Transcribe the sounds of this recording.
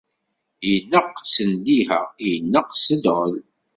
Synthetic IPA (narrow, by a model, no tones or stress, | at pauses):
jənːəqsənd̪ihəjənːəqsəd̪ʁəl